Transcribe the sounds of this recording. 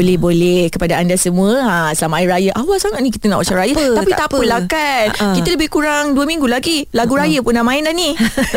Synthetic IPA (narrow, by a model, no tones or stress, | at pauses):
olɛhbolɛhkəpadaandasəmũəasəlamaɾajəʔawasaŋaʔ̚nĩkit̪ənaʔwat͡ʃaɾajət̪apit̪apəlakankit̪ələbɪhkuɾaŋduəmĩŋɡulaɡilaɡuɾajəpunamãɪndani